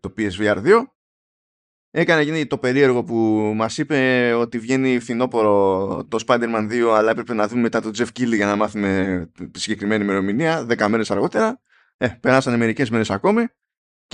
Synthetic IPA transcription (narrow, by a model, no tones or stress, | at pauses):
t̪o̞piezviɐɾðio̞ | e̞kɐnecinit̪o̞pe̞ɾie̞ɾɣo̞pumɐsipe̞o̞t̪ivʝe̞nifθino̞po̞ɾo̞t̪o̞spɐd̪e̞ɾmɐnðio̞ɐlɐe̞pɾe̞penɐðumeme̞t̪ɐt̪od͡ze̞fciliʝɐnɐmɐθume̞siɲɟekɾime̞nime̞ɾo̞miniɐðe̞kɐmeɾe̞sɐɾɣo̞t̪e̞ɾɐ | epe̞ɾɐsɐneme̞ɾice̞zmiɾe̞sako̞mi